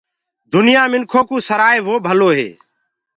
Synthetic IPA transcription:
d̪ʊnɪjaːmɪnkʰoːkuːsəɾaːeːʋoːbʱəloːɦḛː

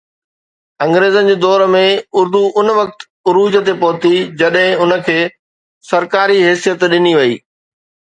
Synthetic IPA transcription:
ɐ̃ŋɡɾeːzənɪ̆d͡ʑeːd̪ɔːɾmẽʊɾd̪uʔʊnʋɐk̚t̪ | ʊɾuːd͡ʑət̪epɐɦʊt̪id͡ʑɐɗɦɪ̃ʊnə̆kʰeː | sɐɾkaːɾiɦeːsijət̪ɗɪniʋɐiː

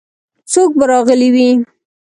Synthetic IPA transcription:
sok̚baɾɑɣəliwi

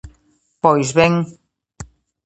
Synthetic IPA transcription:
pɔjzβeŋ

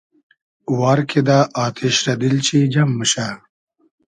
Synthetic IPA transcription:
wɑːɾkʰed̪aːʔɑːt̪ʰeʃɾɐd̪ilt͡ɕʰid͡ʒɐmːəɕa

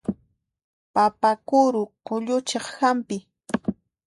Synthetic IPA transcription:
papakʊɾʊqoʎʊt͡ʃɑχhampɪ

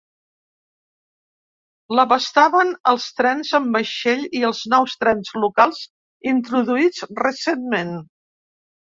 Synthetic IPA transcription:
ləβəst̪aβənəlˠst̪ɾɛnzəmbəʃeʎiəlˠznɔwst̪ɾɛnzlukalˠz̥ | int̪ɾuðuid͡zrəsenmen

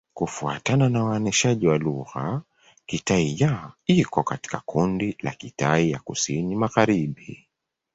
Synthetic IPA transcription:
kufua̰tananawaɔnɛʃaʄiwaluɣa | kitaijaikɔkati̥kakʰundila̰kitaija̰kusinimaɣaɾiɓi

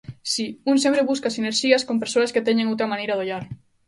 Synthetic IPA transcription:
siunsẽmpɾeβuskasineɾʃiaskompeɾsoasket̪eɲẽŋowt̪ɾamãnejɾaðoʎaɾ

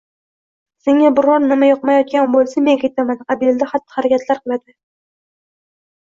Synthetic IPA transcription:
seŋabɪɾɒɾnɪmajɒqmajɒt̪̚kʲanbolˠsame̞ŋʰajt̪ʰamanqʰɑbld̪ahat̪ːɪ̥haɾakʲʰat̪ʰlaɾqɨlˠad̪ɪ

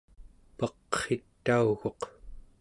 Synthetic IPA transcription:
pʌqχet̪ːauɣo̞q

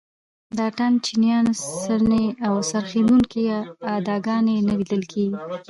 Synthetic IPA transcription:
d̪ɑʈant͡ʃinijɑnsəneawsaɾxinuŋkiad̪ɑɡɑnenəlid̪əlkʰeɡi

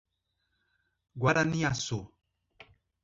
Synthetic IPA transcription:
ɡwaɾaniaso

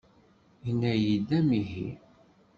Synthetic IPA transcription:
inːæjid̪æmiɦḭ

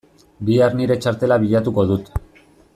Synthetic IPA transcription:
biarniɾe̞t͡ʃaɾt̪e̞laβiʎat̪uko̞ðut̪

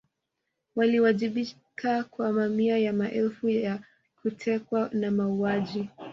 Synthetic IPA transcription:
waliwaʄiɓi | kʰakwamamiajamaʔɛlfujja | kutʰɛkwanamauaʄi

